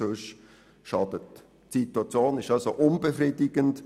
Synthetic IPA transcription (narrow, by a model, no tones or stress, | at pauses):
øʃ | ʃɑd̥ət | sitwɑt͡sjoːnɪʃɑlsoʔʊnbefriːdɪɡənt